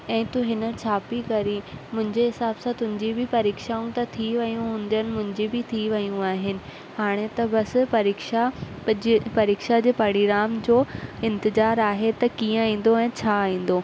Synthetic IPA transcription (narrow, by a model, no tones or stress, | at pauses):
ɛ̃ːt̪uɦɪnət͡ɕʰaːpikɐɾimʊ̃ɦɪ̃ɲd͡ʑeɦɪsaːbsãt̪ʊ̃ɦɪ̃ɲd͡ʑibɪpɐɾiːkʃaːũt̪ɐt̪ʰiʋɐjũɦũːn̆d̪ijənɪ̆mʊ̃ɦɪ̃ɲd͡ʑibɪt̪ʰiʋɐjũaːɦɪnɪ̆ | haːɽ̃et̪ɐbɐspɐɾiːkʃa | pɐɾiːkʃad͡ʑeːpɐɽ̃iɡɾaːmd͡ʑoːɪ̃nt̪ɪzaːɾaːɦet̪ɐkĩːə̃ĩːn̆d̪oɛ̃ːt͡ɕʰaːĩːn̆d̪o